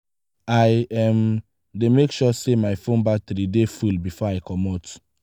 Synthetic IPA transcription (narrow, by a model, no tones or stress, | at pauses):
aɪɛm | demekʃɔsemaɪfõnbatɾidefulbifɔaɪkʰɔmɔt